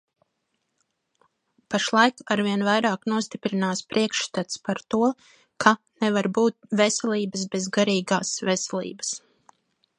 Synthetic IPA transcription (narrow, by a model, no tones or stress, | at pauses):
paʃlˠajkaɾviɛnvajɾaːknuɔst̪ipɾinaːspɾiɛkʃst̪at̪spaɾt̪uɔ | kʰa | nɛvaɾbuːt̪̚vɛsɛliːbəs̬bezɡaɾiːɡaːsvɛsɛlˠḭːbəs